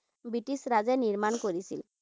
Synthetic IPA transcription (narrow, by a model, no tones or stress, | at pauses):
biʈisɾad͡ʒɛniɾmaɳkoɾisil